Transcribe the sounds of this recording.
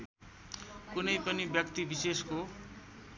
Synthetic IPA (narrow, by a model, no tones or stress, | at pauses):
kunejpʌnibjʌkt̪ibisesko